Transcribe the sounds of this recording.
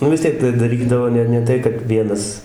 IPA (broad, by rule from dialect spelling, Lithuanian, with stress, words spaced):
nʊ ʋʲɪs ˈtʲiɛk tɐɪ dɐˈrʲiːdɐʋoː ˈnʲɛ ˈnʲɛ tɐɪ kɐt ˈʋʲiɛnɐs